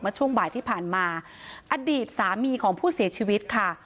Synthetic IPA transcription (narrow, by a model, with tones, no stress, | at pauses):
mɯː˧t͡ɕʰu˥˩əŋbaː˨˩jt̪ʰiː˥˩pʰaː˨˩nmaː˧ | ʔa˧diː˨˩t̪̚saː˩˦miː˧kʰɔː˩˦ŋpʰuː˥˩si˨˩˦ɐt͡ɕʰiː˧wi˦˥t̪̚kʰa˥˩